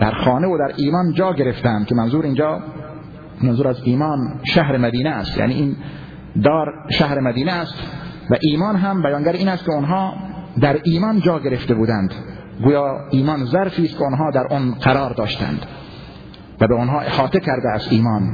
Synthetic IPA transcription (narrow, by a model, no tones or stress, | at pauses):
d̪̥æɾxɑːneod̪æɾʔiːmɒːnd͡ʒɒːɡe̞ɾeft̪ænd̪kʰemænzuːɾind͡ʒɒː | mænzuːɾæziːmɒːnʃæɦɾemæd̪iːneæst̪jæ̰ːnḭːʔiːn | d̪ɒːɾʃæhɾemæd̪iːneːst̪ | væʔiːmɒːnɦæmbæjɑːŋɡæɾiːnæst̪̚keonɦɑːd̪æɾiːmɒːnd͡ʒɒːɡe̞ɾeft̪ebuːd̪ænd̪ | ɡuːjɑːiːmɒːnzæɾfiːst̪kʰʲeonɦɑːd̪æɾʔonqæɾɒːɾd̪ɒːʃt̪æ̰nd̪̥ | væbeonɦɑːʔehɒːt̪ekʰæɾd̪eæsiːmɒːn